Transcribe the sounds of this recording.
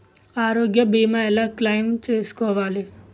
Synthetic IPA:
aːɾoːɡjɐbiːmaɛlaklɐjmt͡ʃeːskɔːʋaːli

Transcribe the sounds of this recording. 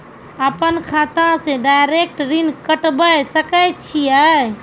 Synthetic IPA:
əpənkʰaːt̪ãsẽɖajɾek̚ʈɾinkəʈbəjsəkəjt͡ʃʰia

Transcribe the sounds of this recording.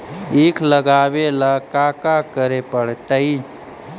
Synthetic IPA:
ikʰləɡabelakakakəɾepəɽ̤t̪əi

